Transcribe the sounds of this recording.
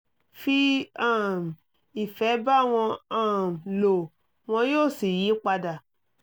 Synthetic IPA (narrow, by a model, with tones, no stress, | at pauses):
fi˧ã˦˨m˨ | i˨fɛ˨˦ba˦˨w̃ɔ̃˧ã˦˨m˨lo˨ | w̃ɔ̃˧joː˦˨si˨ji˨˦k͡pa˧da˨